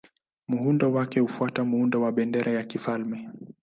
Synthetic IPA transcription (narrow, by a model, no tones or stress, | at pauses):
muhundɔwakɛhufuatam̩hundɔwaɓɛndɛɾʔajakifalmɛ